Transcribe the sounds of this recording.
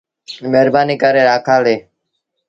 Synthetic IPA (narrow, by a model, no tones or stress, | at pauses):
meːɾbaːniːkaɾeːɾaːkʰaːleː